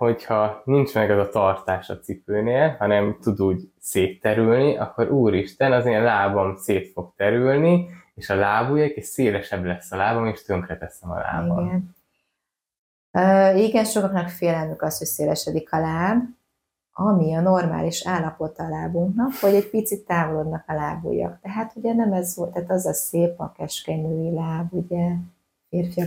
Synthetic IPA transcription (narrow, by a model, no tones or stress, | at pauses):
ho̞chɒnint͡ʃmɛɡɛzɒt̪ɒrt̪aːʃɒ̰t̪sipøːneːlhɒnɛmt̪ud̪uːɟ | seːt̪ːɛɾylniʔɒkːo̞ɾʔuːɾiʃt̪ɛnɒzeːnlaːbomseːt̪fo̞ɡt̪ɛɾylnieːʃɒlaːbujekeʃseːlɛʃɛblɛsːɒlaːbomeːʃt̪øŋkrɛt̪ɛsɛmɒ̰la̰ːbio̰ɡɛn | øːiɡɛnʃo̞kɒknɒkfeːlɛlmykɒsho̞cseːlɛʃɛd̪ikʰɒlaːb | ɒmiɒno̞rma̰ːliʃaːlːɒpo̞t̪ɒːlaːbuŋknɒkʋɒɟɛc̚pit̪sit̪ːaːvo̞lo̞d̪nɒkɒlaːbo̰ːjɒ̰kt̪ɛɦaːt̪uɟɛnɛmɛzot̪ɛːt̪ɒzɒseːpɒ̰kɛʃkɛɲøːilaːbuɟɛ | feːrfijɒ